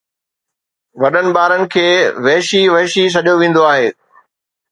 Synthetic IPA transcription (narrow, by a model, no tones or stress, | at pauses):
ʋɐɗənɪ̆ɓaːɾənɪ̆kʰeːʋɛːʃiʋɛːʃis̬ɐʄjoʋẽːn̆d̪oaːɦeː